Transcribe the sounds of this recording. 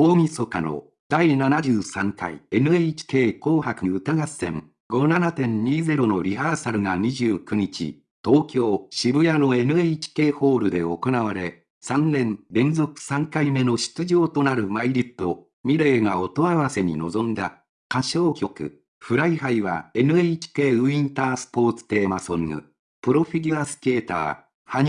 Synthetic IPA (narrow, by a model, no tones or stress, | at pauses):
o̞ːmʲiso̞kano̞̰ | d̪̥ainanad͡ʑɨːsãŋka̰ḭe̞nɯ̟eit͡ɕi̥ke̞ːko̞ːhakɯɯt̪aɡḁẽ̞̰ŋ | ɡo̞nanat̪ẽ̞ɲ̟ɲiːze̞ɾo̞no̞ɾʲihaːsaɾɯ̟ŋaɲ̟iʑɨːkɯ̟ɲ̟it͡ɕḭ | t̪o̞ːkʲo̞ːɕibɯ̟jano̞e̞nɯ̟eit͡ɕi̥ke̞ːho̞ːɾɯ̟d̪e̞o̞ko̞naβaɾe̞ | sãnːẽ̞nɾẽ̞nzo̞kɯ̟̥sãŋkaime̞no̞ɕi̥t͡sɨʑo̞ːt̪o̞naɾɯ̟maiɾʲit̪ːo̞ | mʲiɾe̞ːŋao̞t̪o̞aβase̞ɲ̟ḭno̞zõ̞nd̪a̰ | kaɕo̞ːkʲo̞kɯ̟̰ | ɸɯ̟ɾaiɦaiβa̰e̞nɯ̟eit͡ɕi̥ke̞ːɯ̟ĩnt̪aːsɨ̥po̞ːt͡sɨ̥t̪e̞ːmasõ̞ŋːɯ̰ | pɯ̟ɾo̞ɸʲiɡʲɯasɨ̥ke̞ːt̪a̰ː | haɲ